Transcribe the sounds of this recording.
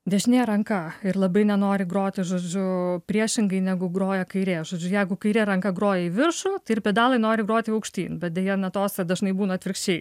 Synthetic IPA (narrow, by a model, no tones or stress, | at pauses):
d̪ʲɛʒʲnʲeːɾɐŋkɐɪɾlˠɐbɐɪnʲɛnoːɾʲɪɡɾoːt̪ʲɪʒoːd͡ʒʲʊpʲɾʲiɛʃʲɪŋɡɐɪnʲɛɡʊɡɾoːjɛkɐɪɾʲeːʒoːd͡ʒʲʊjɛɪɡʊkɐɪɾʲeːɾɐŋkɐɡɾoːjɛiʋʲɪrʃut̪ɐɪɪɾpʲiɛːd̪ɑːlˠɐɪnoːɾʲɪɡɾoːt̪ʲɪɐʊkʃʲt̪ʲḭːnbʲɛt̚d̪ʲɛjɛnɐt̪oːsʲɛd̪ɐʒnɐɪbuːnɐt̪ʲʋʲɪɾkʃʲt͡ʃʲɛɪ